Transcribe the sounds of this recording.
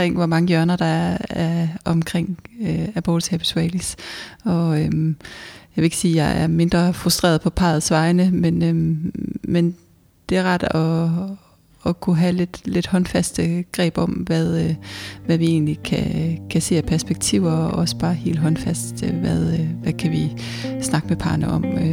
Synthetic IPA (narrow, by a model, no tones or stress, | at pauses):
eŋ̰ʋɒmɑ̈ŋəjɶɐnɐd̥ɑ̈æɐæɐɒ̽mkʰʁeŋ̰øæb̥oːd̥seb̥sʁɛɪlsɒ̽ømjɑʋe̝e̝ɡ̥əsiːjɑ̈ɪʔæɐme̝nd̥ʁɐfʁusd̥ʁḛːɐð̞̩ˠpʰɒ̽pʰɑ̈ːɐð̩ˠsʋɑ̈ɪnəmenø | men | d̥e̝æɐʁɑ̈d̥ɒ̽ | kʰuɦæle̝d̥le̝d̥hɒ̽nfæsd̥əɡ̥ʁɛ̰ːb̥ɒ̽mʋæðˠʋæʋie̝̰ːnlikʰækʰæse̝̰ːæpʰæɐsb̥eɡ̥̚t͡sʰiʊ̰ɐʔɒ̽sə̥b̥ɑ̈ːhe̝̰ːldɦɒ̽nfæsd̥ʋæðˠʋækʰæʋi | snɑ̈ɡ̥əmepʰɑ̈ːnəʔɒ̽m